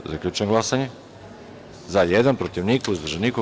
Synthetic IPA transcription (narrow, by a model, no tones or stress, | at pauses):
zakʎʲuːt͡ʃenŋɡlˠasaɲe | zajed̪anpɾot̪iʋnikuuzbrʒeniːku